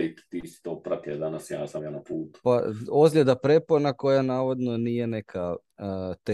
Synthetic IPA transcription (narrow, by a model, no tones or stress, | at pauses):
it̪t̪isi̥t̪oːpɾat̪ied̪anasjaːsamjanapuːt̪u̥paozʎʲed̪apɾeponako̞janaːʋod̪no̞nije̞nekʰa | t̪e